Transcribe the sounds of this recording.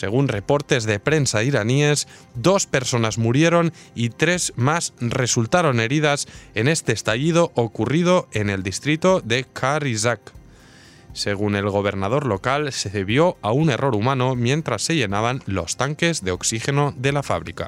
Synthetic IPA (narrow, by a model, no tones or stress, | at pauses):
se̞ɣ̞unre̞po̞ɾt̪e̞zðe̞pɾe̞nsaiɾanie̞z | d̪o̞spe̞ɾso̞nazmuɾje̞ɾo̞n | it̪ɾe̞zmasre̞sult̪aɾo̞ne̞ɾiðase̞ne̞st̪e̞ːst̪aʎið̞o̞ʔokurið̞o̞e̞ne̞ld̪ist̪ɾit̪oðe̞kʰaɾizak | se̞ɣ̞une̞lɣ̞o̞β̞e̞ɾnað̞o̞ɾlo̞kalseðeβjo̞aune̞rʔo̞ɾumãno̞mjẽ̞nt̪ɾasːe̞ʝe̞naβ̞anlo̞̰st̪aŋke̞zðe̞o̞ksixe̞no̞ðe̞lafa̰β̞ɾḭka̰